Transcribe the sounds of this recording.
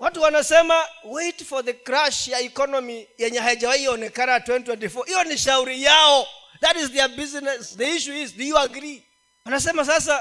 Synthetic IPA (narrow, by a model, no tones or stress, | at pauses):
watuwanasɛmaweɪtfɔðəkɾaʃjaikɔnɔmijɛɲɛhajad͡ʒawaiiɔnɛkanatwɛ̃ntwɛ̃ntifɔhijɔniʃauɾijaɔ | ðatizðɛbiznɛsðəiʃuizðijuaɡɾi | wanasɛmas̬as̬a